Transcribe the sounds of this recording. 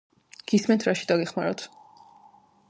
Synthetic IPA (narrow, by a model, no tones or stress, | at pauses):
ɡ̥ismɛnt̪ʰɾaʃi̥d̪aɡɛχma̰ɾɔt̪ʰ